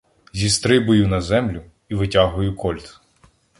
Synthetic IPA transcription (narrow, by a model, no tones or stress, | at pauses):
zʲist̪ɾɪbʊjʊnɐzɛmlʲʊ | iʋɪtʲaɦʊjʊkɔlʲt̪